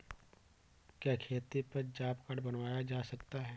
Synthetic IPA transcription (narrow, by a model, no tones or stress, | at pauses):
kjɛːkʰeːt̪ipɐɾd͡ʒaːpkaɽbɐnʋaːjad͡ʒaːsɐkt̪aɦɛː